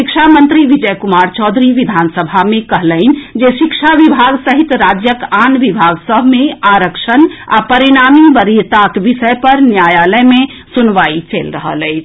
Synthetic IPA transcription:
ʃikt͡ʃʰamənt̪ɾiʋid͡ʒəjkumaɾt͡ʃɔd̪ʱɾiʋid̪ʱansəbʱamekəɦləɪnd͡ʒeʃikʃʰaʋibʱaɡsəɦit̪ɾad͡ʒjəkanʋibʱaɡsəbʱmeaɾəkʃəna̰pəɾiɽ̃amibəɾijt̪akʋisəepəɾnjajaləjme | sunʋait͡ʃelɾəɦə̰ləɪt͡ʃʰ

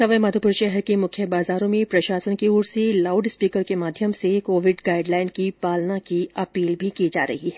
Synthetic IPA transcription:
sɐʋəjmɐd̪ʱupʊɾʃɛɦɛɾkemʊkʰjəbaːzaːɾõmẽpɾɐʃaːsənkiuːɾsilaːʊɖspiːkəɾkemaːd̪ʱjəmsekoːʋɪɖɡaːɪɖlaːɪnkipaːlnakiɐpiːlbʱikid͡ʒa̰ːɾɐ̰ɦiɦɛ

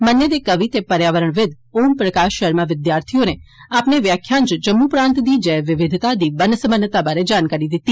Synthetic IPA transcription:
mənjəd̪ekəʋit̪epəɾjaːʋəɾəɳ̃ʋɪd̪ | oːmpɾəkaːʃəɦɛɾmãʋɪd̪jaːɾt̪ʰijoneaːpneʋjaːkʰjãnt͡ʃəd͡ʒəmːupɾãːnt̪d̪id͡ʒɐʋɪʋɪd̪ʱt̪ad̪ibənəsəmənːət̪abaɾed͡ʒaːnkaːɾid̪ɪt̪ːiː

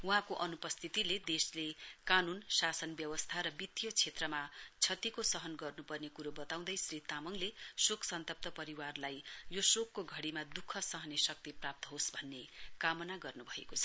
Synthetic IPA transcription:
wuɦãkoʔʌnupʌst̪ʰit̪iled̪eslekanunsasʌnbjʌwʌst̪ʰaɾʌbit̪ːijot͡sʰet̪rʌmat͡sʰʌt̪ikosʌɦʌnɡʌrnupʌrnekuɾobʌt̪aw̃d̪ʌjsrit̪amʌŋlesoksʌnt̪ʌp̚t̪ʌpʌɾiwarlajjosokːoɡʱʌɽimad̪ukʰːʌsʌɦʌnesʌk̚t̪iprap̚t̪ʌɦosbʱʌnːekamʌnaɡʌrnubʱʌḛkot͡sʰʌ̥

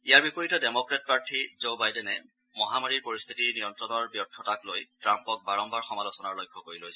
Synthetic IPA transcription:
ijaɹbipoɹitɔdemɔkɹɛt̚paɹtʰizobajdɛnɛ | mɔɦamaɹiɹpoɹist̪ʰitinijɔntɹɔnɔɹbjɔtʰːɔtaklojtɹampɔk̚baɹɔmbaɹxɔmalosɔnaɹlojkʰːɔkoɹilojsɛ

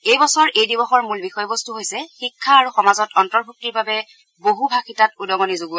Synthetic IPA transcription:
ejbɔsɔɹejdibɔxɔɹmulbixɔjɔbɔstuɦojsɛxikʰːaːɹuxɔmazɔtɔntɔɹbʱuk̚tiɹbabɛ | boɦubʱakitatudɔmɔnizoɡu

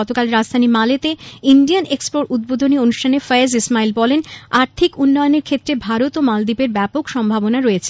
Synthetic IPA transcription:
ɔt̪okalɾad͡ʑd̪ʱanimalet̪einɖianekspoɾud̪̚bod̪ʱonionuʃʈʰanefəezismailbɔlenaɾt̪ʰikunːɔjoneɾkʰet̪ːɾebʱaɾot̪omald̪ipeɾbɛpokʃɔmbʱabonaɾoet͡ɕʰe̥

